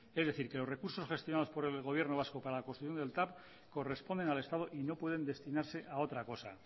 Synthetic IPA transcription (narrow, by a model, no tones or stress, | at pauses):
ezðe̞θiɾke̞lore̞kuɾso̞sxe̞st̪jonaðo̞spo̞ɾe̞lɣo̞β̞je̞ɾno̞β̞asko̞paɾalakost̪ɾuθjo̞nd̪elt̪ap | ko̞re̞spo̞nd̪e̞nalest̪að̞oʔino̞pwe̞ð̞e̞nd̪e̞st̪inaɾse̞ʔao̞t̪ɾako̞sa̰